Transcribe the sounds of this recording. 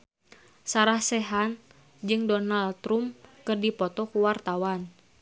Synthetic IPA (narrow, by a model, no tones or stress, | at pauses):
saɾahsɛɦan | d͡ʒɨŋdɔnalt̪ɾumkɨrdipɔt̪ɔkuwart̪awan